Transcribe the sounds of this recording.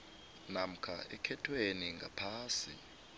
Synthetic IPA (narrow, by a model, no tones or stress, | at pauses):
nam̩kʰa̰ɛkʰɛtʰweniŋɡʱa̰pʰaːsḭ